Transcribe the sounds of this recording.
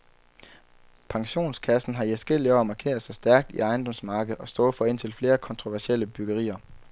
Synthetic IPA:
pʰɑ̈ŋɕo̝̰ːnskʰæsn̩ɦɑ̈iæsɡ̥el̰iɒ̰ːmɑ̈kʰe̝̰ɐðˠsɑ̈ɪsd̥æɐɡ̥̚d̥ḭɑ̈ɪnd̥ɒ̽msmɑ̈ːɡ̥əð̩ˠɒ̽sd̥ɔ̽ːfɒ̽e̝n̰t͡sʰe̝lfle̝ːɐkʰɒ̽nt͡sʰʁo̝ʋæɐɕeləb̥yɡ̥əʁḭːɐ

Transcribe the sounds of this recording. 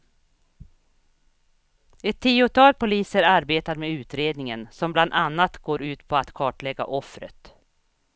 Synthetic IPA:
ɛt̪ʰːiːʊt̪ʰɑːl̚pʰʊliːsəɾaɾbeːt̪aɾmeʉ̟ːt̪ɾeːd̪nɪŋənsɔmbland̪anːat̪ɡoːɾʉ̟ːt̪pʰɔat̪kʰɑːʈɭɛɡːa̰ʔɔfɾə̰t̪

